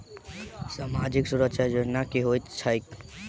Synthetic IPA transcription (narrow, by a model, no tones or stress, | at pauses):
samad͡ʒiksuɾəkʃad͡ʒoɾnakeɦojt̪t͡ʃʰəjk